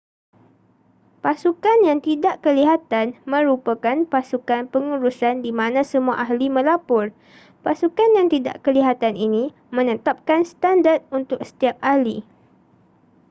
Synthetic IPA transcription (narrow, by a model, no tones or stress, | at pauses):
pasukanjaŋt̪idaʔkəliɦat̪anmə̃ɾupakanpasukanpəŋuɾusandimãnãsəmuaʔaɦlimə̃lapʊr | pasukanjaŋt̪ida̰ʔkəliɦat̪aninĩ | mə̃nət̪ap̚kanst̪andart̪̚unt̪ʊk̚sə̥t̪iap̚ahli